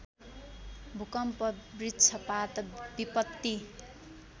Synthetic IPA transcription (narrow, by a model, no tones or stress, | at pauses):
bʱukʌmpʌbritːt͡sʰʌpat̪bipʌt̪ːi